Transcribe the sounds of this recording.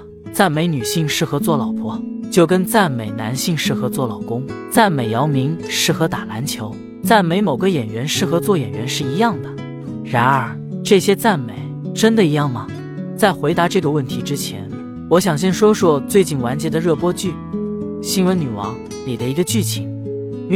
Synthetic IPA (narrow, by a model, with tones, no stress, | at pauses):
t͡sa˥˩nme˧˥ɪny˨˩ɕi˥˩ŋʂɻ̩˥˩xɤ˧˥t͡swɔ˥˩lɑ˨˩ʊpʰwɔ˥t͡ɕjo˥˩ʊkə˥nt͡sa˥˩nme˨˩ɪna̰˧˥nɕi˥˧ŋʂɻ̩˥˩xɤ˧˥t͡swɔ˥˩lɑ˨˩ʊkʊ˥ŋ | t͡sa˥˩nme˨˩ɪjɑ˧˥ʊmi˧˥ŋʂɻ̩˥˩xɤ˧˥t̪a˨˩la˧˥nt͡ɕʰjo˧˥ʊ | t͡sa˥˩nme˧˥ɪmo˨˩ʊɡə˦jɛ˨˩nɥɛ˧˥nʂɻ̩˥˩xɤ˧˥t͡swɔ˥˩jɛ˨˩nɥɛ̰˧˥nʂɻ̩˥˩i˧˥jɑ˥˩ŋd̪ə˩ | ɻa˧˥nə˞˨˧˥ | ʈ͡ʂɤ˥˩ɕjɛ˥t͡sa˥˩nme˨˩˦ɪʈ͡ʂə˥nd̪ə˨i˧˥jɑ˥˩ŋmɐ˩ | t͡sa˥˩ɪxwe˧˥ɪt̪a˧˥ʈ͡ʂɤ˥˩ɡə˧˩wə˥˩nt̪ʰi˧˥ʈ͡ʂɻ̩˥t͡ɕʰjɛ̰˧˥n | wɔ˧˥ɕjɑ˨˩ŋɕ̬ɛ˥˩nʂwɔ˥ʂwɔ˥t͡swe˥˧ɪt͡ɕi˥˩nwa˧˥nt͡ɕjɛ˧˥d̪ə˧ɻɤ˥˩pwɔ˥t͡ɕy˥˩ | ɕi˥nwə˧˥ny˨˩wɑ̰˧˥ŋ | ni˨˩d̪ə˦i˧˥ɡə˧t͡ɕy˥˩t͡ɕʰi˨˩ŋ˥